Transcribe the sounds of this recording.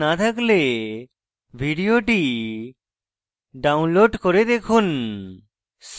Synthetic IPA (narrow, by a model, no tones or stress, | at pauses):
at̪ʰakle | bʱiɖioʈi | ɖaunloɖkɔɾed̪ekʰun | s